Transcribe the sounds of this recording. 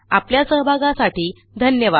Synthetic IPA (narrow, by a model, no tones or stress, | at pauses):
a̰pljasəɦbʱaɡãsaʈiː | d̪ʱənjəʋa